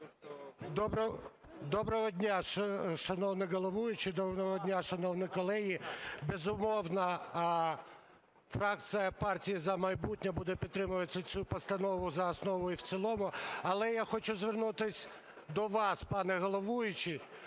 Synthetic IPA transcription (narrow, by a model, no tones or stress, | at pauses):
d̪ɔbɾd̪ɔbɾɔɦɔdʲnʲaʃʃɐnɔwnɪɦɔlˠɔʋujʊt͡ʃɪd̪ɔɔɦɔdʲnʲaʃɐnɔwnɔjkɔlˠɛɦibezʊmɔwnɐ | fɾɑk̪̚sʲɨjɐpɑrtʲijizɐmɐjbutʲnʲɐbud̪ɛpʲid̪̚t̪ːɾɪmʊʋɐt͡s̪ʲɐt͡sʲupɔst̪ɐnɔʋʊzɐːsnɔʋɔjiwt̪sʲilˠɔmʊɐlˠɛjaxɔt͡ʃʊzʋernut̪ɪsʲ | d̪ɔʋɑspɑnɛɦɔlˠɔʋujʊt͡ʃɪ